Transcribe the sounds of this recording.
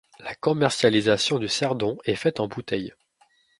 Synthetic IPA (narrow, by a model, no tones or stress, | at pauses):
lakɔmɛʁsjalizasjɔ̃d̪ysɛʁd̪ɔ̃ɛfɛt̪ɑ̃but̪ɛj